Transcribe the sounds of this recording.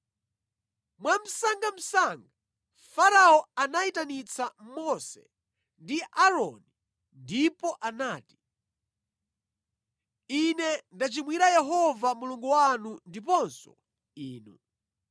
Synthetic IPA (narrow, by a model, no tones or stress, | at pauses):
mwam̩saŋɡam̩saŋɡa | faɾaɔanaitanit͡sʰammɔsɛ̰ | ndiʔaɾɔni | ndipɔʔanaːti̥ | inɛndat͡ʃimwiɾajɛɦɔvamuluŋɡuwanundipɔnsɔ̰ | iːnu